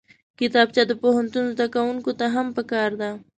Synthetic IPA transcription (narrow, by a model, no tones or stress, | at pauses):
kɪt̪ɑb̚t͡ʃad̪əpoɦant̪unzd̪akawuŋkot̪aɦampəkɑɾd̪a